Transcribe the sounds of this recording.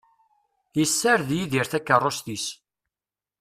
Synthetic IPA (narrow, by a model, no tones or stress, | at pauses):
jəsːəɾðjiðiɾθækːərˤːost̪is